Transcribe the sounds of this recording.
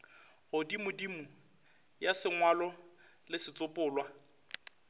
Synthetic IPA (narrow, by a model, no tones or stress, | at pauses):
ɣʊdimʊdimʊ | jasɪŋwalɔ | lɪsɪt͡sʼʊpʼʊːlwa